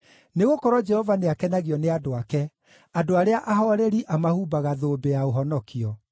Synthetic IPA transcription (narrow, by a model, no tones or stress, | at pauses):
neɣokɔɾɔd͡ʒɛhɔvaneakɛnaɣiɔneadoakɛ | adoaɾeaʔaɦɔɾɛɾiʔamahubaɣaðoːbeaoɦɔnɔkʰiɔ